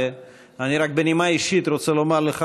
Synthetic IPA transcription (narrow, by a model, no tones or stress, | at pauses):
aniɾak̚benimaiʃit̪ɾot͡selo̞maʁleχa